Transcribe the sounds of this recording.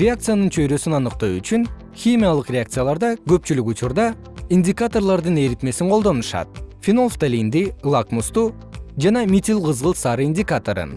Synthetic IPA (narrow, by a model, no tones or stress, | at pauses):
ɾʲɪakt̪sɨjanɯnt͡ʃʰø̞jɾø̞synɑnɯqt̪oyt͡ʃyn | xʲimʲijalˠɯqrʲeak̚t̪sɨjalˠɑɾd̪ɑkø̞p̚t͡ʃylykut͡ʃuɾd̪ɑ | inʲdʲɪkat̪o̞rlˠɑɾd̪ɯne̞ɾit̪me̞siɴqʰolˠd̪o̞nuʃɑ̰t̪̚fʲinolft̪alʲind̪ilˠakmust̪u | d͡ʒɑnɑmʲit̪ʲilˠqɯzʁɯlˠsɑɾɨindʲɪkat̪oɾɯ̰n